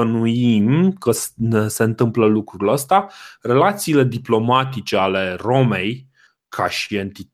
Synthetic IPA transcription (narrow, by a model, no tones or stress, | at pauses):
ənuimkəsse̞ɨnt̪ɨmpləlukɾuləst̪are̞lat̪siːle̞d̪iplo̞mat̪it͡ʃe̞ale̞ro̞me̞j | kʰaʃie̞nt̪i